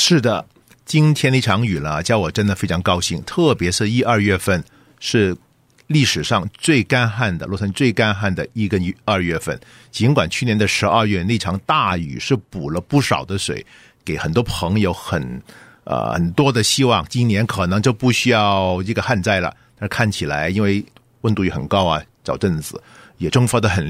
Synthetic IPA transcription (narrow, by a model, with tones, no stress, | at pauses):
ʂɻ̩˥˩d̪ə˩ | t͡ɕi˥nt̪ʰjɛ˥ne˥˩ʈ͡ʂʰɑ˧˥ŋy˨˩lə˦t͡ɕjɑ˥ʊwɔ˨˩ʈ͡ʂə˥nd̪ə˨˩fe˥ɪʈ͡ʂʰɑ˧˥ŋkɑ˥ʊɕi˥˩ŋt̪ʰɤ˥˩pjɛ˧˥ʂɻ̩˥˧i˥ɐ˞˥˧ɥɛ˥˧fə˥˧n | ʂɻ̩˥˧ | li˥˩ʂɻ̩˨˩ʂɑ˥˧ŋt͡swe˥˩ɪka˥nxa˥˩nd̪ə̰˨˩lwɔ˥˩tʰə˥˧nt͡swe˥˩ɪka˥nxa˥˩nd̪ə˩i˥˩kə˥n˧˥ɐ˞˥˧ɥɛ˥˧fə˥˩n | t͡ɕi˧˥nkwa˨˩nt͡ɕʰy˥˩njɛ˧˥nd̪ə˧ʂɻ̩˧˥ɐ˞˥˧ɥɛ˥˧ne˥˩ʈ͡ʂʰɑ˧˥ŋt̪a˥˩y̰˨˩ʂɻ̩˥˩pu˨˩lə˦pu˥˩ʂɑ˨˩ʊd̪ə˦ʂwḛ˨˩˦ɪ | ke˧˥ɪxə˨˩nt̪wɔ˥pʰɤ˧˥ŋjo˧˥ʊxə˨˩n | ə̰˧xə̰˨˩nt̪wɔ˥d̪ə˨ɕi˥wɑ˥˩ŋt͡ɕi˥njɛ˧˥nkʰɤ˨˩nɤ˧˥ŋt͡ɕo˥˧ʊpu˥˩ɕy˥jɑ˥˧ʊʈ͡ʂɤ˥˩ɡə˩xa˥˧nt͡sa˥˩ɪlə̰˩tt̪a˥˧ʂɻ̩˥˧kʰa˥˩nt͡ɕʰi˨˩la˧˥ɪi˥nwe˥˩ɪ | wə˥˧nt̪u˥˩jɛ˧˥˩xə̰˨˩nkɑ˥ʊɐ˨t͡ɕɑ˨˩ʊʈ͡ʂə˥˩nt͡sɹ̩˨˩jɛ˨˩ʈ͡ʂɤ˥ŋfə˥d̪ə˨xə˨˩n